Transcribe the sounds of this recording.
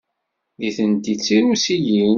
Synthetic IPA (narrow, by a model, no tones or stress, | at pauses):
ðiθənt̪it͡sːiɾusijin